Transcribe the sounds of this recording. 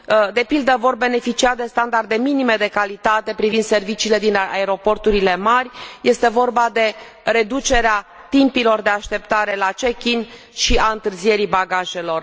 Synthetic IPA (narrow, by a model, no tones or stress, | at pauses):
d̪e̞pild̪əvo̞rbe̞ne̞fit͡ʃiad̪e̞st̪and̪ard̪e̞minime̞d̪e̞kalit̪at̪e̞pɾivind̪se̞rvit͡ʃiːle̞d̪inaeɾo̞po̞rt̪uɾile̞marʲje̞st̪e̞vo̞rbad̪e̞ | re̞d̪ut͡ʃe̞ɾeat̪impilo̞rd̪e̞aʃt̪e̞pt̪aɾe̞lat͡ʃe̞kʲin | ʃiaɨnt̪ɨrzije̞ɾibaɡaʒe̞lo̞r